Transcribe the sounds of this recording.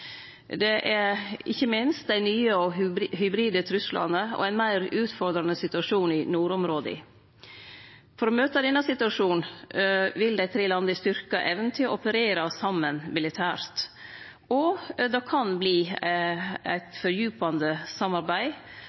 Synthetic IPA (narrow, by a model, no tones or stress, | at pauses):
d̪ɛʔæɾɪçːəmɪnst̪̚d̪æɪnyːəɔɦʏbɾiːd̪ət̪ʰɾʉslʔɑ̰nəɔ̰æɪnmæɪɾʉːt̪fɔɾd̪ɾɑnəsɪt̪ʉɑʂuːnɪnuːɾɔmɾoːd̪ɪ̰ | fɔɾɔmøːt̪əd̪ɛnːɑsɪt̪ʉɑʂuːn | ʋɪld̪æɪt̪ʰɾeːlɑnd̪əɪst̪ʏɾkɑʔɛːʋənt̪ʰɪlʔɔpəɾeːɾɑsɑmːənmɪlɪt̪ʰæːɾt̪ | ɔd̪ɑkʰɑnbliː | æ̰ɪt̪fɔɾjʉːpɑnd̪əsɑmɑɾbæɪ